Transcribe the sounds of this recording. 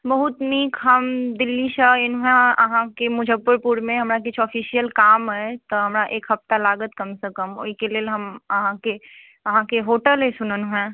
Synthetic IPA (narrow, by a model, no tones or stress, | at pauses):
bɐɦʊt̪niːkɦɐmd̪ɪlːiʃaɪnɦɛ̃ɐ̰ɦãkemʊd͡ʒʱəbːʊɾpuːɾmẽɦɐmɾakɪt͡ʃʰɔːfʰiːʃijəlkaːmɦɛt̪oɦɐmɾaʔeːkɦɐp̚t̪alaːɡət̪kɐmsekəmoikelelɦɐməɦãke | ɐɦãkeɦoːʈəlɦesʊnənɦɛ̃ː